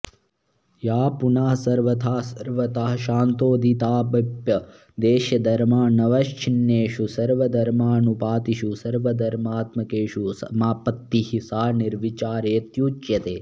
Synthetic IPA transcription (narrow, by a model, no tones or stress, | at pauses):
jaːpunaːɦsɐɾʋɐt̪ʰaːsɐɾʋɐt̪aːɦɐʃaːnt̪oːd̪it̪aːbɐpjɐ | d̪eːʃjɐd̪ɐɾmaːnɐʋɐʃt͡ʃʰinjeːʃusɐɾʋɐd̪ɐɾmaːnupaːt̪iʃusɐɾʋɐd̪ɐɾmaːt̪mɐkeːʃusɐmaːpɐt̪ːihisaːniɾʋit͡ʃaːɾeːt̪juːt͡ʃjɐt̪eː